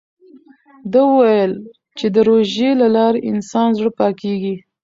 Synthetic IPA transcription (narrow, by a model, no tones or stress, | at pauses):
d̪əwəwajəl | t͡ʃed̪əɾoʒelalɑɾeʔɪnsɑnzɽəpɑkeɡi